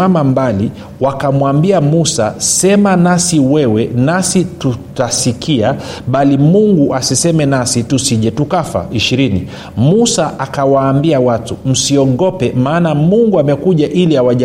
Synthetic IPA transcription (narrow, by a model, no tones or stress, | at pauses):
amambali | wakamwambiamusasɛmanasiwɛwɛnasitutasikʰiaɓalimuŋɡuʔasisɛmɛnasitusiʄɛtukafa̰iʃiɾini | musaʔakawaːmbiawatum̩siɔɠɔpɛmaːnamuŋɡuamɛkuʄaʔiliawaʄa